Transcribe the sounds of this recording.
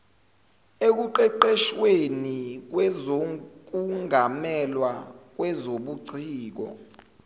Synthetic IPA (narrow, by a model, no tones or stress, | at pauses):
ek̬uǃɛǃɛʃwenik̬wɛzok̬uŋɡʱamɛlwak̬wɛzoɓuǀʰiːk̬ɔ̰